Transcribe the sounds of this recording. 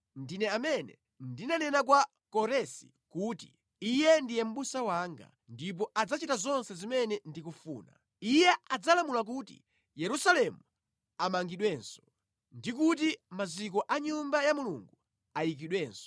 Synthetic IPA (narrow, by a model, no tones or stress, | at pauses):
ndinɛamɛnɛ̰ | ndinanɛnak̬wa | kɔɾɛsḭ | kuti | ijɛndijɛm̩ɓusawaːŋɡa̰ | ndip̬ɔʔad͡zat͡ʃitazɔnsɛzimɛnɛndikufuːna̰ | ijɛad͡zalamulak̬utḭ | jɛɾusalɛmu | amaŋɡiɗwɛːnsɔ̥ | ndik̬ut̬imazik̬ɔʔaɲumbajamulṵŋɡu | ajik̬iɗwɛːnsɔ̥